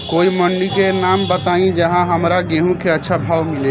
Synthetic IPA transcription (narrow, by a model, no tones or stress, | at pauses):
koimənːikenambət̪aĩd͡ʒəɦãɦəmɾaɡeɦũkeətːʃʰabʱawmile